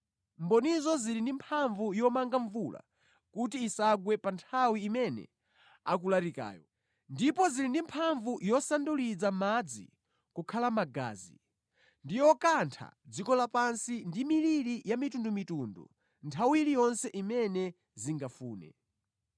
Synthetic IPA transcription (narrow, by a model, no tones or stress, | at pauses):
mbɔnizɔzilindimpʰaɱvujɔmaŋɡaɱvula̰ | kutiːsaɡwɛpantʰawiːmɛnɛ̰ | a̰k̬ulaɾika̰ːjɔ | ndipɔzilindimpʰaɱvujɔsandulid͡zamad͡zḭ | kukʰalamaɡa̰ːzi | ndijɔkantʰa̰d͡zikɔlapansindimiliɾijamitundumitundṵ | ntʰawiilijɔnsɛʔimɛnɛ | ziŋɡafuːnɛ̰